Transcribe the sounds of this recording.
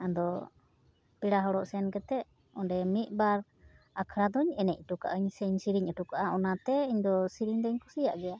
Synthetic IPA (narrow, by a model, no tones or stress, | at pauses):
ad̪ɔ | piɽaɦɔɽɔʔsɛnkɛt̪ɛʔ | ɔɳɖɛmit̪̚ˀbaɾ | akʰɾad̪ɔɲɛnɛc̚ˀʈuka̰ʔəɲsɛɲsiɾiɲəʈukaʔaɔnat̪ɛiɲd̪ɔsiɾiɲd̪əɲkʰusijaʔɡɛja